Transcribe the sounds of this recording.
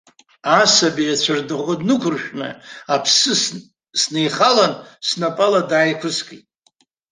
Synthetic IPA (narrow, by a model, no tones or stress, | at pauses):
asabiat͡ɕʷʰardɨʁʷodnɨkʷʰʊrʃᶣnɨ̰apʰsɨ | snejχalansnapʼaladaːjkʷʰʊskʼḭtʼ